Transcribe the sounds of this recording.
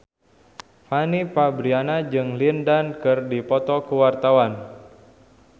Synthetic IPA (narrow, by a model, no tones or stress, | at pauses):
fanipabɾianad͡ʒɨŋlindankɨrdipɔt̪ɔkuwart̪awan